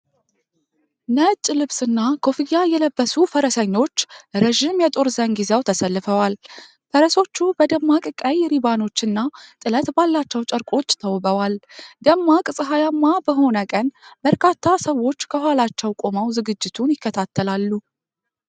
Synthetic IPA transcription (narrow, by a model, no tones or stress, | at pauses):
nət͡ʃʼːlɨβsɨnːakʰo̞fijajɛləbːəsufəɾəsəɲːo̞t͡ʃːɾəʒɪmjɛt̪ʼo̞ɾzənɡizewt̪ʰəsəlːɨfəwal | fəɾəso̞t͡ʃːubəd̪əmːakʼɨkʼːajɛɾibano̞t͡ʃːɨnːat̪ʼɨlət̪balːat͡ʃːɛwt͡ʃʼəɾkʼo̞t͡ʃːt̪ʰəwbəwald̪əmːakʼɨsʼɨɦajamːabəɦo̞nəkʼənbəɾkʰat̪ʰːasəwːo̞t͡ʃːkʰəhʷwalat͡ʃːɛwkʼo̞məwzɨɡɨd͡ʒːɪt̪ʰunjɪkːət̪ʰat̪ʰːəlalːu